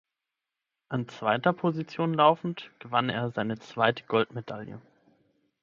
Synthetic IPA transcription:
ʔant͡sv̥aɪtɐpʰozit͡sjoːnlaʊfn̩tɡ̥əvanḛːɐzaɪnət͡sv̥aɪtə̥ɡɔltmedaljə̰

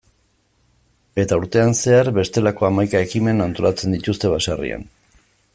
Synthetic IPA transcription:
e̞t̪auɾt̪e̞anse̞aɾβe̞st̪e̞lako̞amajkae̞kime̞nant̪o̞lat͡se̞nd̪it̪ust̪e̞βasarḭa̰n

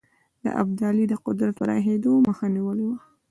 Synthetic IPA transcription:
d̪̥ə̰ʔa̰b̚d̪ɑlid̪əqʊd̪ɾat̪̚pəɾɑ̰xed̪oməxaniwəlwa

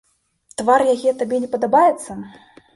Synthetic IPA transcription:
t̪varjaɣʲɛt̪abʲɛnʲɛpɐd̪abajɛt̪sːɐ

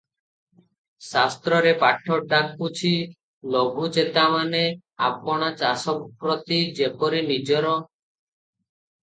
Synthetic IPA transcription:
sast̪ɾɔɾepaʈʰɔɖakːut͡ʃʰi | loɡʱut͡ʃet̪amane | a̰pɔɽ̃at͡ʃasɔkpɾɔt̪id͡ʒepɔɾinid͡ʒɔɾɔ

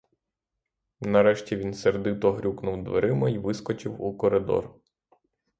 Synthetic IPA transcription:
nɐɾɛʃtʲiʋʲinserd̪ɪt̪ɔɦɾʲuknʊwd̪ʋḛɾɪmɐiʋɪskɔt͡ʃɪwukɔɾed̪ɔ̰r

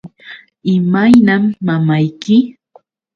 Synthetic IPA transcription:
ɪmajnamːamajkɪ

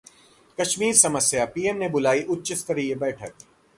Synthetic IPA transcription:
kɐʃmiːɾsɐməsjapiːemnebʊlaːiʔʊt̪ːt͡ʃɪst̪ɐɾiebɛːʈʰət̪̚

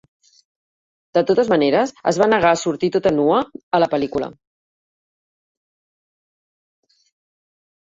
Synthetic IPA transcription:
d̪̥ət̪ot̪əzməneɾəzə̰zβanəɣ̞asuɾt̪it̪ot̪ənuəːləpəlikulə̰

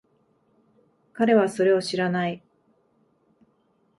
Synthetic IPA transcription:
kaɾe̞βaso̞ɾe̞o̞ɕiɾanai

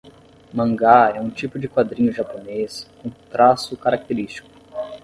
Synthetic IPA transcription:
mɐ̃ŋɡaɛũt͡ʃipʊd͡ʒɪkwad̪ɾĩɲʊʒaponeskõt̪ɾasʊkaɾak̚t̪eɾist͡ʃi̥kʊ̥

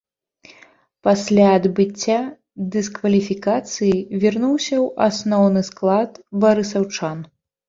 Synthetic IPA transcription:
pasʲlʲaɐd̪bɨt͡sʲːa | d̪ɨskvɐlʲifʲikat̪sɨjivʲirnuwsʲɐwʔasnɔwnɨsklˠat̪baɾɨsawt͡ʂan

